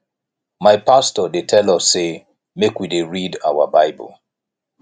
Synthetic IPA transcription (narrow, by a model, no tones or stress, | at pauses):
maɪpʰastɔdetʰɛlɔsːe | mekwideɹida̰wə̰baɪbə̰l̩ˠ